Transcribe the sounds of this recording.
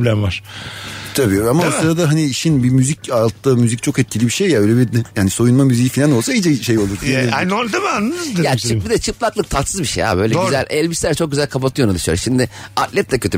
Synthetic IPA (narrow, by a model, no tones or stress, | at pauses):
blʲæmvaɾ̥t̪ʰabiamasɯɾad̪aɦaniiʃinbimyzicalˠt̪ːamyzic̚t͡ʃʰo̞kɛt̪̚cʰilʲibiʃejːabøjlʲɛbiɾd̪jaːnisojunmamyzijifinʲano̞lˠsaid͡ʒɛʃejo̞lˠuɾfiiaot̪ʰamanːɯnɯzd̪jaːt͡ʃɯbid̪ɛt͡ʃʰɯplˠaklˠɯk̚t̪ʰat̪sɯzbiʃeja̰bøjlʲɛɡyzæ̰lʲɛlʲbist̪ʲæɾt͡ʃʰo̞k̚ɟʲyzælʲkʰapat̪ʰɯjonad̪ɯʃjoɾʃimd̪ɪat̪lʲɛt̪lʲɛcʰøt̪ʰy